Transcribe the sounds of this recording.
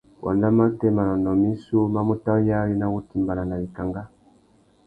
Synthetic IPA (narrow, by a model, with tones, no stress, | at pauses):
wɔ̰˨nda˦ma˦tɛ˦ma˨nɔ˨nɔ˨mi˦su˦ma˦mu˦ta˦ja˦ɾi˦na˦ɣu˦ti˨mba˨la˨na˨βi˨ka˨ŋɡa˦